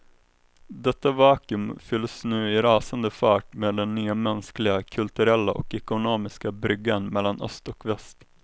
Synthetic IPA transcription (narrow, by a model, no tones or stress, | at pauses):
d̪ɛt̪ːavɑːkɵmfʏlːsnʉ̟ːɪɾɑːsand̪əfæːʈmeːd̪ɛnːyːamɛnsklɪɡakʰɵlt̪ɵɾɛlːaʔɔ̰kɛkʊnoːmɪskabɾʏɡːanmɛlːanʔœ̰st̪ɔkvɛst̪